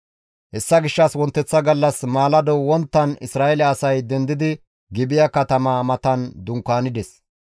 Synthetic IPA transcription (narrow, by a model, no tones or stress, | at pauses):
hɛsːɐɡɪʃːɐswɔnt̪ːɛt͡sːɐɡɐlːɐsmaːlɐd̪ɔwɔnt̪ːɐnɪsɾaːʔɛlɛːsɐjd̪ɛnd̪ɪd̪ɪ | ɡɪbɪjɐkɐt̪ɐmaːmɐt̪ɐnd̪ʊŋkaːnɪd̪ɛs